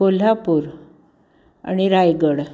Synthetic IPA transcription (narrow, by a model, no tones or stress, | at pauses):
ol̤apuːɾ | a̰ɽ̃iɾajɡəɽ